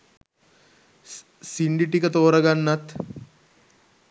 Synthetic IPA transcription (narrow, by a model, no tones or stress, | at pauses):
siɳɖiʈikət̪oːɾɐɡanːɐt̪